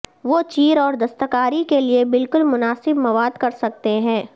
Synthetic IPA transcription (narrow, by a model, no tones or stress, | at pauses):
ʋot͡ʃiːɾɔːɾd̪ɐst̪əkaːɾikeliebɪlkʊlmʊnaːsɪbmɐʋaːd̪kɐɾsɐk̚t̪eɦɛ̃ː